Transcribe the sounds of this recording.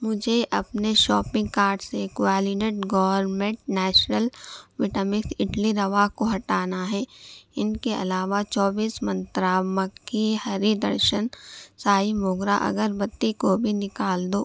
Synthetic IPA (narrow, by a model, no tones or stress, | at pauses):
mʊd͡ʒʱeʔɐpneʃɔːpɪ̃ŋɡkaːɾɖsekʊɛːlineʈɡɔːʋəɾmẽːɳʈnɛːt͡ʃnəlʋɪʈəmɪksɪʈliɾɐʋaːɦkoɦɐʈaːnaɦɛːɪnkeʔɐ̰laːʋat͡ʃɔːbiːsmɐ̃nt̪ɾaːməkːihɐɾid̪ɐ̰ɾʃənsaːimoːɡɾaʔɐ̰ɡəɾbɐt̪ːikobʱinɪkaːld̪oː